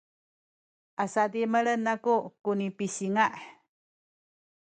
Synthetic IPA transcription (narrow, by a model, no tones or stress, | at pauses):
ʔasat̪imələnakukunipisiŋaʔ